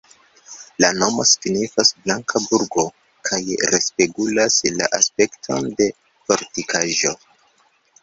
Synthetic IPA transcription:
lano̞mo̞sɡnifasblaŋkʰabuɾɡo̞ | kʰajɾe̞speɡulasla̰ʔaspe̞ktʰo̞̰nde̞ | fo̞ɾtikʰaʒo̞

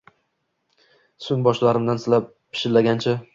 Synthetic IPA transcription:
sʊnbɒʃlaɾɪmd̪ansɪlap̚ | pʰːɪ̥ʃɪlːaɡʲant͡ʃʰa

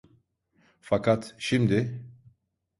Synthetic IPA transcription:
fakat̪ʃimd̪e

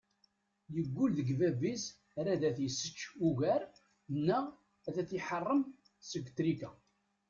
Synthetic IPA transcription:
jəɡʷːulðəɡvævis | ɾæðæθjəsːə̥t͡ʃːuʝæɾ | nːæ | æðæθiħərˤːəm | səɡʷt̪ɾikæ

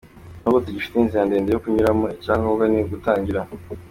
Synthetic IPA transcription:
noɡotiɟifi̥teinzijandeːndejokuɲuɾamoicaːŋɡaoɡaniɡutaːɲɟiɾa

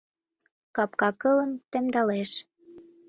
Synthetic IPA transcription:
kɑp̚kɑkɤ̆lə̆nt̪ĕmd̪ɑleʃ

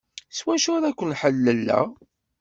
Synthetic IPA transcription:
swæʃʊɾækʷːənħəlːəlːæ̰

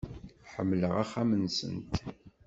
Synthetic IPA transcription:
ħəmːləʁæχːæmənsə̰nt̪

